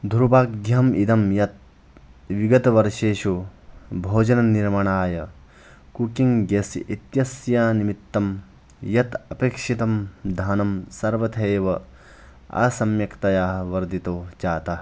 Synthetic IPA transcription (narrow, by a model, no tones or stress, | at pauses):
d̪ʱuɾbaːkd̪jɐmid̪ɐmjɐt̪̚ | ʋiɡɐt̪ɐʋɐɾʃeːʃubʱoːd͡ʒɐnɐniɾmɐɳaːjɐ | kukiŋɡɐsʔit̪jɐsjaːnimit̪ːɐm | jɐt̪ɐpeːkʂit̪ɐmd̪ʱaːnɐmsɐɾʋɐt̪ʰeːʋɐ | a̰ːsɐmjɐkt̪ɐjaːɦʋɐɾd̪it̪oːd͡ʒaːt̪ɐ